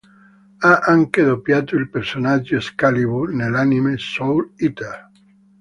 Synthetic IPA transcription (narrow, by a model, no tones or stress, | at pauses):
aʔaŋkeðopjat̪uilpeɾsonad͡ʒoeskaliβunelanimesowlit̪a